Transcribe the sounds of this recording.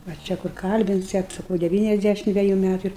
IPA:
ʋɐ ˈt͡ʃʲɛ kʊr ˈkɐlʲbʲɪnʲsʲɛt sɐˈkɐʊ dʲɛˈʋʲiːnʲɛzʲˌdʲæʃʲɪm ˈdʲʋʲæːjʊ ˈmʲætʊ ɪr

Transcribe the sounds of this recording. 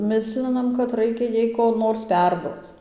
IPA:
ˈmʲɪsʲlʲɪnɐm kɐt ˈrɐɪkʲɛ ˈjɛɪ koː ˈnoːrs ˈpʲɛrduɔt͡s

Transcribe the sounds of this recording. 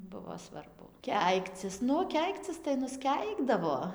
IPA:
ˈbʊʋoː sʋɐrˈbʊ ˈkʲɛɪkt͡sʲɪs ˈnʊ ˈkʲɛɪkt͡sʲɪs tɐɪ nʊsʲˈkʲɛɪɡdɐʋoː

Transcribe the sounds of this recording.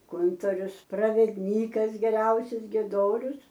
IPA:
ˈkʊntoːrʲʊs prɐʋʲɛdʲˈnʲiːkɐs ɡʲɛˈrʲɛʊsʲʊs ɡʲiɛˈdoːrʲʊs

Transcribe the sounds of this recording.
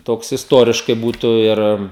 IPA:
ˈtoːks ɪsˈtuɔrʲɪʃkɐɪ ˈbuːtʊ ˈɪr

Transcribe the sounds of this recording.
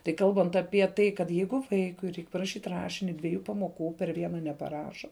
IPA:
tɐɪ ˈkɐlˠbɐnt ɐpʲiɛ ˈtɐɪ kɐt ˈjɛɪɡʊ ˈʋɐɪkʊɪ ˈrʲɛɪk pɐrɐˈʃʲiːtʲ ˈrɑːʃʲɪnʲɪ dʲʋʲiɛˈjuː pɐmoːˈkuː pʲɛr ˈʋʲiɛnɐ nʲɛpɐˈrɑːʃɐ

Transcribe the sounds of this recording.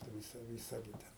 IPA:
ʋʲɪˈsɐ ʋʲɪˈsɐ ɡʲɪ ˈtʲɛn

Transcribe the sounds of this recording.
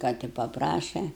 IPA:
ˈkɑː tʲɪ pɐˈprɑːʃʲɛ

